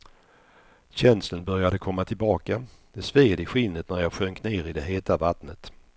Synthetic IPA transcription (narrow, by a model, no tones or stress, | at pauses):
ɕɛnslənbœɾjad̪əkʰɔmːat̪ʰɪlbɑːkad̪̥ɛsveːd̪ɪɧɪlnət̪̚næɾjɑːɧœŋkneːɾɪd̪ɛɦeːt̪avat̪nət̪